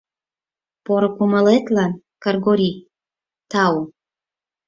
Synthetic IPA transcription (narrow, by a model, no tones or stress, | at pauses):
poɾokuməlet̪lɑn | kərɡoɾi | t̪ɑw